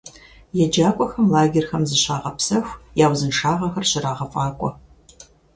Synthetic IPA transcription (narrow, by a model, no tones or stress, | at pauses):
jɛd͡ʒaːkʷʼɔxɐmlaːɡʲɪrxɐmzɨɕaːʁɐpsɐxʷjaːwzɨnʂaːʁɐxɐrɕɪɾaːʁɐfʼaːkʷʼɔ